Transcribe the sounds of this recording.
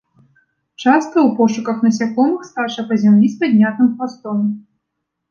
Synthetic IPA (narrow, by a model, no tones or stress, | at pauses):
t͡ʂast̪̚kɐwpɔʂukɐxnɐsʲakɔmɨxst̪aʂɐpɐzʲamlʲisʲpad̪ʲnʲat̪nɨmxast̪ɔm